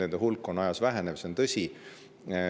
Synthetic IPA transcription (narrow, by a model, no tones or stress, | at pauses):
end̪̥eɦulkːˑo̞nɑjɑsvæɦenevseont̪ɤsʲi